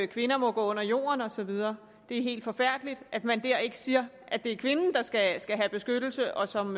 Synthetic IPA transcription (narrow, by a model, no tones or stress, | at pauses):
kʰʋe̝nɐmɒ̽ɡ̥ɔ̰ːɔ̽n̰ɐjo̝̰ːɐnɒ̽sɒ̽ʋið̞ˠɐː | d̥e̝æɐɦe̝̰ːld̥fɒ̽fæɐ̰d̥lid̥ʔæd̥mænd̥æɐ̰e̝ɡ̥əsiːɐ | ʔæd̥e̝æɐkʰʋe̝nn̩d̥ɑ̈sɡ̥æsɡ̥æɦæb̥e̝sɡ̥ød̥l̩səʔɒ̽sɒ̽m